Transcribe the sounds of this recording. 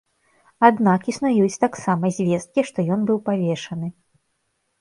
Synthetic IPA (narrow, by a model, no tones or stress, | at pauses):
ad̪nakisnajut͡sʲt̪aksamɐzʲvʲɛst̪̚kʲiʂt̪ɔjɔnbɨwpavʲɛʂɐnɨ